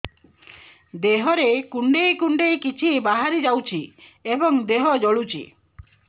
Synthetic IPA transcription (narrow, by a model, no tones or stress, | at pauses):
d̪eɦɔɾekuɳɖejkuɳɖejkit͡ʃʰibaɦaɾid͡ʒawt͡ʃʰiebɔŋd̪eɦɔd͡ʒɔɭut͡ʃʰḭ